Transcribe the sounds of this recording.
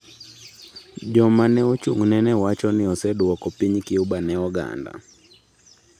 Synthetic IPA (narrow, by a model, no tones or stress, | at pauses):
ʄɔmanɛɔt͡ʃuŋ̩nɛnɛwat͡ʃɔniɔsɛɗuwɔkɔpiɲikiuɓanɛɔɡa̰nda̰